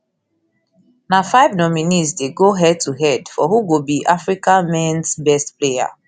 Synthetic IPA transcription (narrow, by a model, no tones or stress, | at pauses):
nafaɪvnɔminisdeɡoɦɛd̚tuɦɛdfɔɦuɡobiʔafɹikãmɛ̃nsbɛstpleja̰